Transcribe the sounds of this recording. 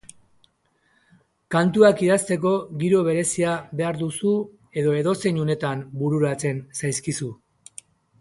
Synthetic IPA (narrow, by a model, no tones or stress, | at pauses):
kant̪uakiðast̪e̞ko̞ɣiɾo̞β̞e̞ɾe̞siaβe̞aɾðusu | e̞ðo̞e̞ðo̞se̞ɲune̞t̪ambuɾuɾat͡se̞nsajskisu